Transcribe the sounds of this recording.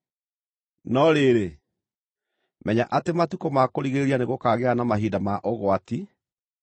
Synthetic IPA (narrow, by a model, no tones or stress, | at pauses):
nɔɾeɾe | mɛɲaʔatematukomakoɾiɣeɾianeɣokaɣeanamaɦiːdamaʔoɣwati